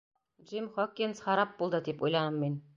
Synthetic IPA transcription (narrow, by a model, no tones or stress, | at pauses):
d͡ʒimχɒkːinsχɑɾɑp̚bulˠd̪ɤd̪ipujlˠɑnɤmːin